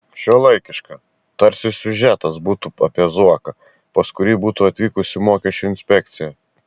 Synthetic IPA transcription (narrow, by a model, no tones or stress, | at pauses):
ʃʲoːlˠɐɪkʲɪʃkɑ | t̪ɐɾʲsʲɪsʲʊʒʲæːt̪ɐsbuːt̪uɐpʲiɛzuɔkɐ | pɐskʊɾʲiːbuːt̪uɐt̪ʲʋʲiːkʊsʲɪmoːkʲɛʃʲt͡ʃʲuɪnʲsʲpʲɛk̚t̪sʲɪjɛ